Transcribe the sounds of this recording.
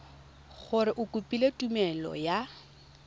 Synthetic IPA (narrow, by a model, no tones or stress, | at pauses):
ɣʊɾɪʔʊkʼupʼiletʼumɛlɔ̰ja